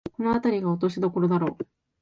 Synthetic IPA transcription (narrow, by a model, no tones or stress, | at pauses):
ko̞noat̪aɾʲiɡaot̪o̞ɕid̪o̞ko̞ɾo̞d̪aɾo̞ː